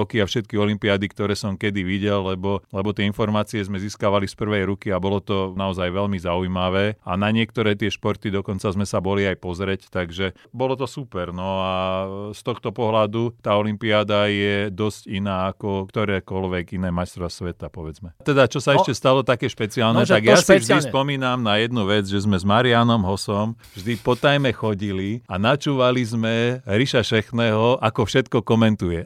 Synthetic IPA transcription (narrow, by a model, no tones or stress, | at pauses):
ɔkiafʃɛt̪̚kiɔlimpiaːd̪ikt̪ɔɾɛːsɔmkɛd̪iʋiɟɛlːɛbɔlɛbɔt̪ɪɛinfɔɾmaːt͡siɛzmɛziːskaʋalispr̩ʋɛjɾukiabɔlɔt̪ɔnaɔzajʋɛlmizaujmaʋɛːa̰naɲɪɛkt̪ɔɾɛːt̪ɪɛʃpɔɾt̪id̪ɔkɔnt͡sazmɛsabɔliajpɔzɾɛct̪aɡʒɛ | bɔlɔt̪ɔsupɛɾnɔast̪ɔxt̪ɔpɔɦlad̪ut̪aːɔlimpiaːd̪ajɛd̪ɔscinaːakɔkt̪ɔɾɛːkɔlʋɛɡinɛːmajst̪ɾɔasʋɛt̪apɔʋɛd͡zmɛt̪ɛd̪at͡ʃɔsaɛʃcɛst̪alɔt̪akɛːʃpɛt͡siaːlnɛaɡjasivʒdispɔmiːnamnajɛd̪nuʋɛd͡zʒɛzmɛzmaɾianɔmɦɔsɔm | vʒd̪ipɔt̪ajmɛxɔɟilianat͡ʃuːʋalizmɛɾiʃaʃɛxnɛːɦɔʔakɔfʃɛt̪kɔkɔmɛnt̪ujɛ